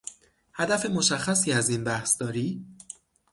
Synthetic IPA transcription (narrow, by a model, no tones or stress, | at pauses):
hæd̪æfe̞mo̞ʃæxːæsiːæziːnbæhsd̪ɒːɾiː